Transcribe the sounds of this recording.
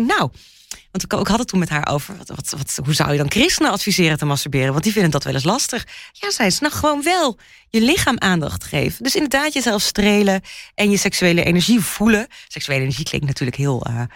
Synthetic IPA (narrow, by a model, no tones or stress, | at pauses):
naw | ʋɑntɪkɪkɦɑtətːunmɛtɦaːɹʔo̰wvə̰ɹʋɑtʋɑtʋɑtɦuza̰wjədɑnkrɪstənəɑtfizɪːɾətəmɑstəɹbɪːrənʋɑntdivɪndəndɑtʋɛ̰ləs̬lɑstəχjaːzɛjsnɔχχəʋownʋɛlˠ | jəlɪχaːmʔaːndɑ̰χtχḛjvədɵsɪndəɹdaːtjəzɛlˠfstrejləʔɛnjəsɛksyejləʔḛjnɛɹʒiv̥uləsɛksyejləenəɹʒiklɪ̰ŋktnatyːɹləkɦɪːlˠə̰